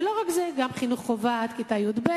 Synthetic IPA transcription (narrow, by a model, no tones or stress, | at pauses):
lo̞ʁakzeɡamχinuχːovat̪kit̪ajud̪be